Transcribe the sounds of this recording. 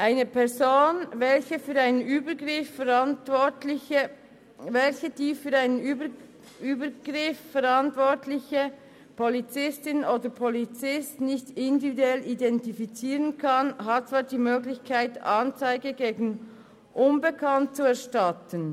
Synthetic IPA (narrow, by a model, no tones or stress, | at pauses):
ʔaɪnəpʰɛʁzoːnvɛlçəfyːɾaɪnənyːbəɡʁɪfəʁtɔtlɪçə | vɛlçəd̥iːfyːɐɾaɪnən | yːbəɡ̥ʁɪffɛʁɑntvɔtlɪçə | pʰolit͡sɪstɪnʔoːdəpʰolit͡sɪstnɪçtɪndividuɛlidɛntifit͡siːʁənkʰɑnɦat̚t͡sv̥aːdiːmøːɡlɪçkʰaɪtʔɑnt͡saɪɡəɡeːɡn̩ | ʔʊnbəkʰɑnt̚t͡suɛɐʃtɑtən